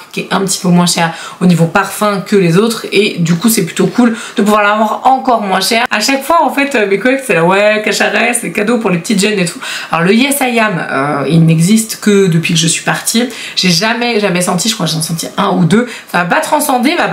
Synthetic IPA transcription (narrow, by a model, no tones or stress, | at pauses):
kʲɛɛ̃pət̪i̥pømwɛ̃ʃɛːʁonivopaʁfɛ̃kəlezot̪χed̪ykusɛply̥t̪okʰuld̪̥əp̬uvwaʁlavwaʁɑ̃kɔʁmwɛ̃ʃɛʁaʃakfwaɑ̃fɛt̪ømekɔɛksɛlawɛkaʃaʁɛsɛkad̪opuʁlepət̪it̪ʒœnet̪ʰualɔ̰ʁləjɛsajamø̰ilnɛɡzist̪kəd̪əpɥikəʒəsɥi̥paʁt̪ʰiʒ̥eʒamɛʒamɛsɑ̃t̪̬iʒəkχwaʒeɑ̃sɑ̃t̪iʔɛ̃ud̪ø | samapat̪χɑ̃sɑ̃d̪emap